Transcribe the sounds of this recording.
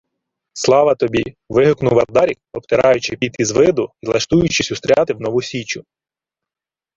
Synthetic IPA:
slˠɑʋɐt̪ɔbʲi | ʋɪɦʊknʊwʋɐrd̪ɑɾʲik̚ɔp̚t̪eɾɑjʊt͡ʃɪpʲit̪izʋɪd̪ʊilˠɐʃt̪ujʊt͡ʃɪsʲʊst̪ɾʲɑt̪ɪwnɔʋusʲit͡ʃʊ

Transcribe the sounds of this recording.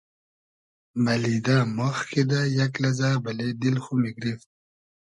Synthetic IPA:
mɐlid̪amoxkid̪ajɐklɐzaːbɐled̪ilxumiɡɾift̪̚

